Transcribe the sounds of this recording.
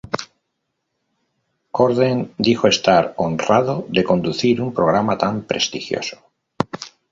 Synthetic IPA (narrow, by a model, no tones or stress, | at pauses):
koɾðend̪ixoe̞st̪aɾonraðoðe̞ko̞nd̪uθiɾumpɾo̞ɣɾamat̪ampɾe̞̰st̪ixjo̞̰so̥